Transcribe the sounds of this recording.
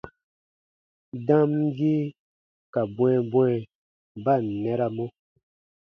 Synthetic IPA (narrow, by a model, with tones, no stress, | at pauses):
dã˦mɡi˦ | ka˨bwɛ̃˨bwɛ̃˦˨ | ba˦˨n˨nɛ˦ɾa˧mo˦